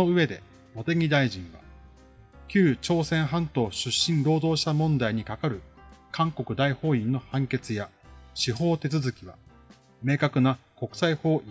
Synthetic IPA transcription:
oɯ̟βe̞d̪e̞̰ | mo̞t̪e̞ɡʲid̪aiʑĩɰ̃βa̰ | kʲɨːt͡ɕo̞ːsẽ̞ɰ̃ɦãnt̪o̞ːɕɨɕːĩnɾo̞ːd̪o̞ːɕi̥t̪amõ̞nd̪aiɲ̟ikakaɾɯ̟kãŋko̞kɯ̟d̪aiho̞ːĩnːo̞hãŋke̞t͡sɨjaɕiɦo̞ːt̪e̞t͡sɨzɨkʲiβa̰ | me̞ːkakɯ̟nako̞kɯ̟̥saiho̞ːʔi

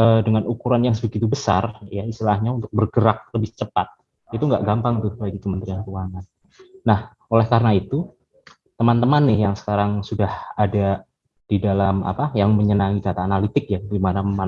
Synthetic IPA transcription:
ədəŋanukuɾanjaŋsəbəɡit̪ubəsarjaist̪ilahɲaunt̪ʊk̚bərɡəɾak̚ləbɪht͡ʃəpat̪̚ | it̪uŋɡaʔɡampaŋt̪ʊhbaɡikəmənt̪ɾiankuwaŋan | nah | olɛhkaɾənait̪u | t̪əmant̪əmanːɪhjaŋsə̥kaɾaŋsudahada | d̥idalama̰pajaŋməɲənaŋid͡ʒat̪aːnalit̪ɪk̚jaɡimanaməman

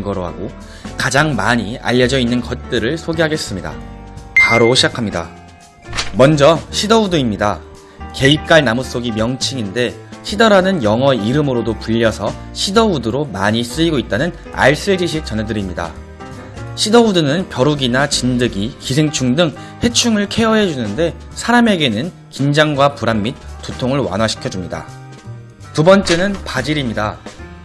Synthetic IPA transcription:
ɡʌɾoɦa̰ɡo | kad͡ʑaŋmaɲia̰ʎːʌd͡ʑʌinːɯnkʌt̚t͈ɯɾɯɭsʰoɡeɦaɡe̞s͈ɯmɲida̰paɾoɕʰid͡ʑakʰamɲida̰ | mʌnd͡ʑʌɕʰidʌudɯimɲida | ke̞ip̚k͈aɭnamus͈oɡimjʌŋt͡ɕʰiŋinde̞ɕʰidʌɾanɯnjʌŋɦʌiɾɯmɯɾodopuʎːʌsʰʌɕʰidʌudɯɾomaɲis͈ɯʎiɡoit̚t͈anɯn | a̰ɭs͈ɯɭd͡ʑiɕʰit͡ɕʌnedɯɾimɲida̰ | ɕʰidʌudɯnɯnpjʌɾuɡinat͡ɕindɯɡikisʰeŋt͡ɕʰuŋdɯŋ | he̞t͡ɕʰuŋɯɭkʰe̞ʌɦed͡ʑunɯnde̞ | sʰaɾame̞ɡe̞nɯn | kind͡ʑaŋɡwapuɾammːit̚t͈ːutʰoŋɯɭwa̰nwaɕʰi̥kʰjʌd͡ʑumɲida̰ | tubʌnt͡ɕ͈e̞nɯnpad͡ʑiɾimɲida

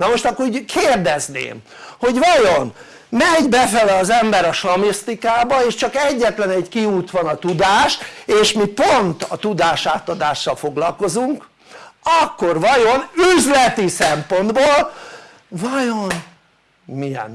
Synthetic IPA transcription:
nɒmo̞ʃt̪ɒkːoɾuːɟkʰeːrd̪ɛznḛːm | ho̞ɟʋɒjon | mɛɟbɛfɛlɛɒzɛmbɛɾɒʃlɒmist̪ikaːbɒeːʃt͡ʃɒkɛɟːɛt̪lɛnɛɟkiuːt̪ʋɒnɒt̪ud̪aːʃeːʃmipont̪ɒt̪ud̪aːʃaːt̪ɒd̪aːʃːɒlfo̞ɡlɒlko̞zuŋk | ɒkːo̞rʋɒjonyzlɛt̪isɛmpo̞nd̪boːl | vɒjon | mijɛ̰n

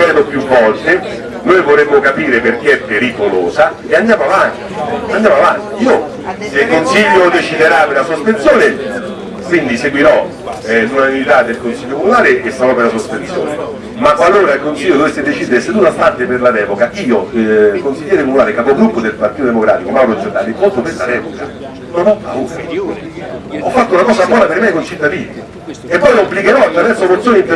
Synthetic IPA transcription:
ɛɾnopjufːɔrt̪e | nojvoɾemːokapiːɾeperkeɛpːeɾikoloːsa | eand̪jaːmoavant̪iand̪jaːmoavant̪iiːo | sekonsiʎːod̪et͡ʃid̪eɾapelasospensjoːnɪ | kwind̪iseɡwiɾɔ | lunanunit̪ad̪ːelkonsiʎːokomunaːleʔesaɾɔpelasospensjo̰ːne | makalːoːɾailkonsiʎːod̪ovesːed̪et͡ʃid̪eɾeseunafart̪eperlad̪ɛːvokaʔiːokonsiʎːɛːɾekomunaːlekavɔɡɾupːod̪elpaɾrt̪it̪od̪emokɾa̰ːt̪ikomaɾod͡ʒet̪ːa̰lipont̪operlad̪ɛːvoka̰ | nonɔpːauːɾa | ɔfːat̪ːounakɔːzabwɔːnapeɾmɛjkont͡ʃit̪ːad̪iːnḭ | epːɔjloabːlikeɾɔat̪ːɾavɛrsomot̪sːjoːnint̪e

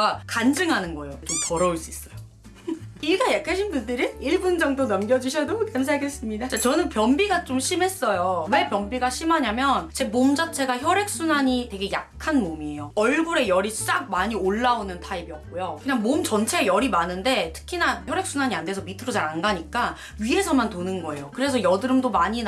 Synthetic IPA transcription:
ɡakand͡ʑɯŋɦanɯnɡʌjot͡ɕompʌɾʌuɭs͈uis͈ʌjo | iɡajakʰaɕʰinbundɯɾɯiɭbund͡ʑʌŋdonʌmɡjʌd͡ʑuɕʰʌdokems̬ʰaɭɡe̞s͈ɯmɲidat͡ɕat͡ɕʌnɯnpjʌmbiɡat͡ɕomɕʰime̞s͈ʌjowepjʌmbiɡaɕʰimaɲamjʌnt͡ɕe̞momd͡ʑat͡ɕʰe̞ɡaçjʌɾe̞k̚s͈unaɲitwe̞ɡe̞jak̚kkʰanmomie̞joʌɭɡuɾe̞jʌɾist͡ɕ͈ak̚maɲioɭːaonɯntʰaibiʌp̚k͈ojokɯɲaŋmomt͡ɕʌnt͡ɕʰe̞jʌɾimanɯnde̞tʰɯ̥kʰinaçjʌɾe̞k̚s͈unaɲiande̞sʰʌmitʰɯɾod͡ʑaɾanɡaɲik͈a | ɥiɦe̞sʰʌmantonɯnɡʌe̞̰jokɯɾe̞sʰʌjʌdɯɾɯmdomaɲin

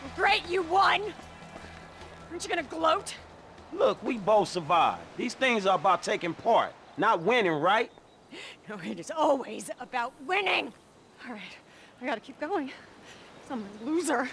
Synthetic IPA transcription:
ɡɹeɪt͡ʃɨwʌ̃n | ə˞nt͡ʃəɡʌnɨɡloʊt | lʊkwiboʊθsə˞vaɪvðiz̥θɪ̃ŋzə˞əbaʊtʰeɪkɪ̃ŋpʰɑɹtⁿnət̚wɪ̃nɪ̃ŋɹaɪt̚ | noʊɪɾɨzɔlˠwizəbaʊt̚wɪ̃nɪ̃ŋ | ɔɹaɪt | aɪɡɑɾɨkʰip̚ɡ̥oʊɪ̃ŋ | sʌ̃mwʌ̃nluzə˞

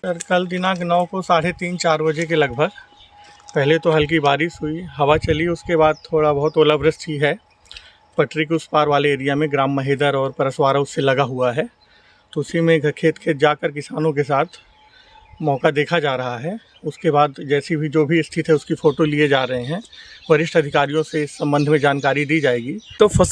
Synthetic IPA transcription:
sɐɾkɐld̪ɪnãknɔːkosaːɽ̤et̪iːnt͡ʃaːɾbɐd͡ʒek̬elɐɡ̚bʱəɡ | pɛɦlet̪oɦɐlk̬ibaːɾiʃɦuiɦɐʋat͡ʃɐliʊskebaːd̪̚t̪ʰoːɽabɐɦʊt̪oːləbɾəst̪ʰiɦɛ | pɐʈɾɪkʊspaːɾʋaːleeːɾijamẽɡɾaːmːɐɦeːd̪əɾɔːɾpɐɾəswaːɾaʊsːelɐɡaɦuaɦɛː | t̪oʊsimẽɡʱɐɾkʰeːt̪kʰeːt̪̚d͡ʒaːkəɾkɪsaːnõk̬es̬aːt̪ʰ | mɔːkad̪eːkʰad͡ʒaːɾɐɦaɦɛ | ʊskebaːd̪d͡ʒɛːsibʱid͡ʒoːbʱiɪst̪ʰɪt̪ɦɛʊskifʰoːʈolied͡ʒaːɾɐɦẽɦɛ̃ːʋɐɾɪʃʈɐd̪ʱɪkaːɾijõseɪsːɐ̃mbə̃nd̪ʱmẽd͡ʒaːnkaːɾid̪iːd͡ʒaːeːɡiːt̪oːɐ

